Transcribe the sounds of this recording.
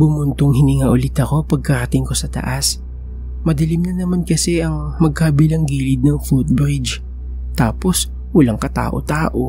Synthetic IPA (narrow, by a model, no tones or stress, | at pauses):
bʊmʊnt̪oŋhɪnɪŋaʔʊlɪt̪ɐko̞pɐɡ̚kɐɾɐt̪ɪŋko̞sɐt̪ɐ̰ʔas | mɐd̪ɐlimnɐnɐmankɐsɛʔɐŋmɐɡ̚kabilɐŋɡiːlɪd̪̚nɐŋfut̪̚bɾɪd͡ʒ | t̪aːpo̞s | wɐlaŋkɐt̪a̰ːʔo̞̰t̪aːʔo